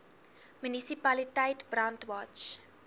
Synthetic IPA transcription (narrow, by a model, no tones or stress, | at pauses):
mynisipɐlitəjtbrɐntwɑt͡ʃ